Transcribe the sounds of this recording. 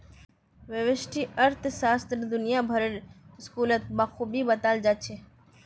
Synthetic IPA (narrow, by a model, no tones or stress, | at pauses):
ʋɪʋɪʃʈʰiːəɾt̪ʰsaːst̪əɾd̪ʊnɪjaːbʱəɾəɾɪskuːlət̪̚maːxʰuːbiːbət̪aːld͡ʒaːt͡ʃʰeː